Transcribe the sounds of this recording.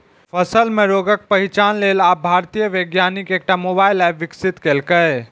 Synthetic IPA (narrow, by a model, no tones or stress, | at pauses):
pʰəsəlmeɾoɡək̚pəɦit͡ʃanlelabʱaɾt̪ijəʋəɡjanikek̚ʈamobailajbʋiksit̪kelkəɪ